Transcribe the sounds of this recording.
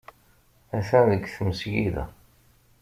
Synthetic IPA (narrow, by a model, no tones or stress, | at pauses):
æθænðəɡθəməsjiðæ̰